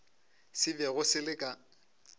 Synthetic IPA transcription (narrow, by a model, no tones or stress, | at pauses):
sɪbɛɣʊsɪlɪkʼa